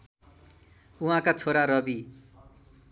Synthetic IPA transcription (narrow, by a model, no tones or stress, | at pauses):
uɦãkat͡sʰoɾaɾʌbi